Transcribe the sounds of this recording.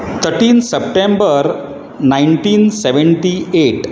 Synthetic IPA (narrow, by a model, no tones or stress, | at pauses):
t̪ʰəɾʈiːnsəp̚ʈẽmbəɾ | naiɳʈiːnseʋəɳʈieʈ